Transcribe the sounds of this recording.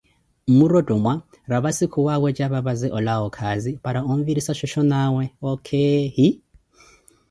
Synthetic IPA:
muɾɔdʼɔmwa | ɾaβasikʰuwawɛd͡ʒʼaβaβazɛʔɔlaɔkʰazipaɾaɔɱviɾisaʃɔʃɔnawɛɔkʰɛɦi

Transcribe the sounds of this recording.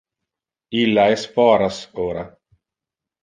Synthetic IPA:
ilːaɛsfɔːɾasoːɾa

